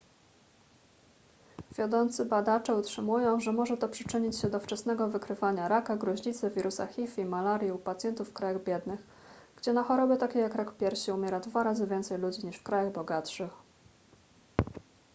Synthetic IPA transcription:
vʲjɔd̪ɔnt̪sɘbad̪at͡ʂɛutʂɘmujɔ̃w̃ʐɛmɔʐɛt̪ɔpʂɘt͡ʂɘɲit͡ɕɕɛd̪ɔft͡ʂɛsnɛɡɔvɘkɾɘvaɲaɾakaɡɾɔʑɲit̪sɘvʲiɾʔusa̰xʲifimalaɾʲjɛupat̪sʲjɛnt̪ufːkɾajaɣbʲjɛd̪nɘx | ɡ̥d͡ʑɛnaxɔɾɔbɘt̪akʲejakɾakpʲjɛɾɕiumʲjɛɾad̪vaɾazɘvʲjɛnt̪sɛjlud͡ʑiɲiʂfkɾajaɣbɔɡat̪ʂɘx

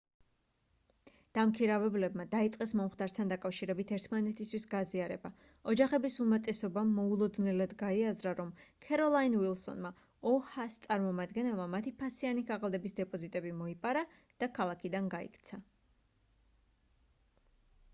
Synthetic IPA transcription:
d̪̥amkʰiɾavɛblɛbmad̪ait̪sʼqʼɛsmɔmχt̪ʰʼaɾt̪ʰand̪akʼafʃiɾɛbit̪ʰɛɾt̪ʰmanɛt̪ʰist̪ʰwisɡaziaɾɛba | ɔd͡ʒaχɛbisumat̪ʼɛsɔbamːɔulˠɔd̪nɛlad̪ɡaiazɾaɾɔmkʰɛɾɔlˠainwilˠsɔ̰nma | ɔhast̪sʼaɾmɔmad̪ɡɛnɛlˠmamat̪ʰipʰasianikʰaʁalˠd̪ɛbisd̪ɛpʼɔzit̪ʼɛbimɔipʼaɾa | d̪̥akʰalˠakʰid̪anɡaḭkʰt̪sʰa

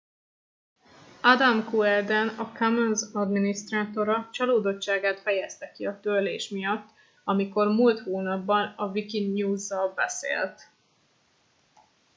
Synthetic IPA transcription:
ɒd̪amkuɛrd̪ɛnɒkamɛnzɒd̪minist̪raːt̪o̞ɾɒt͡ʃɒloːd̪o̞t͡ʃt͡ʃːaːɡaːt̪fɛjɛst̪ɛkiɒt̪øleːʃmijɒt̪ː | ɒmiko̞rmult̪hoːnɒbːɒnɒvikinɲuːzːɒlbɛ̰sḛːlt̪

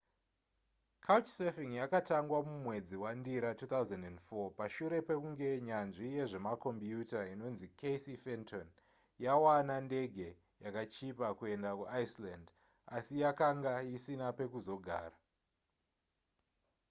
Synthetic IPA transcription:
kʰawt͡ʃsefiŋjakataŋɡwamumwe̞d͡ziwandiɾatuːt̪auzendendfopaʃuɾe̞pe̞kuŋɡe̞ɲanʐije̞ʐe̞mako̞mpjutaino̞nzikʰesifenton | jawanande̞ɡʱe̞ | jakat͡ʃipakue̞ndakuʔaisland | asijakaŋɡajisinape̞kuzo̞ɡʱa̰ːra

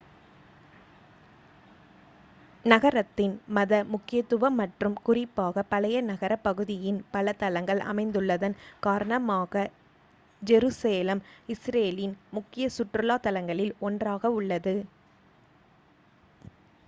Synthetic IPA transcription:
nɐɣɐɾɐt̪ːɪnmɐðɐmʊkːɪjɐt̪ːɯʋɐmːɐʈrɯmkʊrɪpːaːɣɐpɐlɐjɐnɐɣɐɾɐpːɐɣɯðɪjɪnpɐlɐt̪ɐlɐŋɡɐɭʔɐ̰mɐɪnd̪ɯɭːɐðɐnkaːɾɐnɐmaːɣɐ | d͡ʒɛɾuseːlɐmɪsɾeːlɪnmʊkːɪjɐsʊʈrɯlaːt̪ɐlɐŋɡɐɭɪlɔndraːɣɐʊɭːɐðɯ

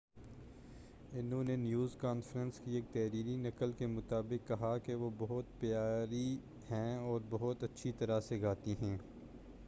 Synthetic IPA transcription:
ɪnɦõnenjuːzkaːnfɾənskieːk̚t̪ɛːɾiːɾinɐkəlkemʊt̪aːbɪkːɐɦakeʋobɐɦʊt̪pjaːɾi | hɛ̃ːɔːɾbɐɦʊt̪ɐtːʃʰit̪ɐɾaseɡaːt̪iɦɛ̃ː

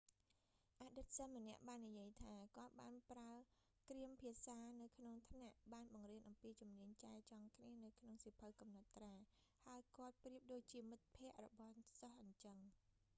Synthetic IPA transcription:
ʔaːɗɨt̪̚sənmə̆nɛ̆əʔɓaːnːijiəjt̪ʰaːkŏət̪̚ɓaːnpraə | kriəmpʰiəsaːnɨwkʰnoŋt̪ʰnaʔɓaːnɓɑŋriənʔɑmpiːt͡ɕumniəɲt͡ɕaɛt͡ɕɑŋkʰniənɨwkʰnoŋsipʰəwkɑmnɑt̪ːraːhaəjkŏət̪̚priəp̚ɗoːc̚t͡ɕiəmɨt̪̚pʰɛ̆əʔrɔ̰ɓɑhsɑhʔəɲt͡ɕəŋ

